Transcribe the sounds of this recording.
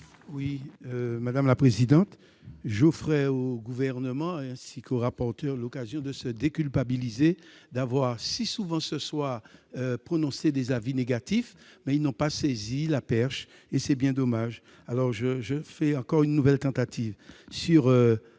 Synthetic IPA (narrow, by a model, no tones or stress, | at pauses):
wiømad̪amlapχezid̪ɑ̃t̪ | ʒofʁɛoɡuvɛʁnəmɑ̃ɛ̃sikoʁapɔʁt̪œʁlokazjɔ̃d̪əsəd̪ekʲylpabilized̪avwaʁsisuvɑ̃səswaøpχonɔ̃sed̪ezavineɡat̪ifmɛilnɔ̃pasezilapɛʁʃ | esɛbjɛ̃d̪ɔmaʒ | alɔʁʒəʒəfɛɑ̃kɔʁynːuvɛlt̪ɑ̃t̪at̪ivsyʁø